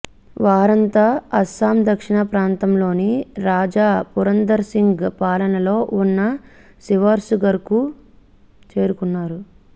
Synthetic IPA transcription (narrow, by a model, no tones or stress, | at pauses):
ʋaːɾɐnt̪aːɐsaːmd̪ɐkʂiɳɐpɾaːnt̪ɐmlo̞ːniɾaːd͡ʒaːpuɾɐnd̪ɐɾsiŋɡpaːlɐnɐlo̞ːʔunːɐ | siʋaːɾsuɡɐɾku | t͡ʃe̞ːɾukunːaːɾu